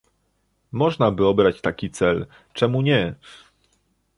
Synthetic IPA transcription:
mɔʐnabɘɔbɾat͡ɕt̪akʲit̪sɛl | t͡ʂɛmuɲɛ

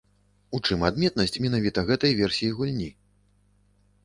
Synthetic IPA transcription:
ut͡ʂɨmad̪mʲɛt̪̚nɐsʲt͡sʲmʲɛnavʲit̪ɐɣɛt̪ɐjvʲɛrsʲijiɣulʲnʲi

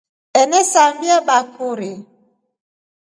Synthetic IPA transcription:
ɛnɛsambiaɓakʰuɾe

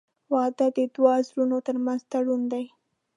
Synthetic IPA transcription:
wɑd̪ad̪əd̪wɑzɾunot̪əɾmanzt̪aɽund̪aj

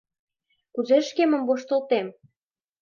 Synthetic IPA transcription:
kuzeʃkemə̆mvoʃt̪ə̆lt̪em

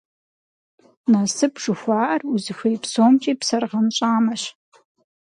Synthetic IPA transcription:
nasɨbʐ̥ɨxʷaːʔɐruzɨxʷejpsoːmt͡ʃʼiːpsɐrʁɐnɕʷʼaːmɐɕ

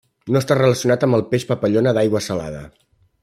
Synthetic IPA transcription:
noəst̪arələsiunat̪əmbəlˠpeʃpəpəʎonəðajɣwəsəla̰ðə̰

